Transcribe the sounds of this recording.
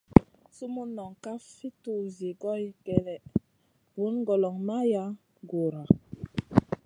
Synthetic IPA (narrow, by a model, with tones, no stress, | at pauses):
su˦mu˦nɔ˨ŋka˦fi˦tu˨zi˨ɡɔ˦jkɛ˨ɾɛ˨ | bu˨˦nɡo˨lɔ˨ŋma˦ja˦ | ɡo˨ɾa˨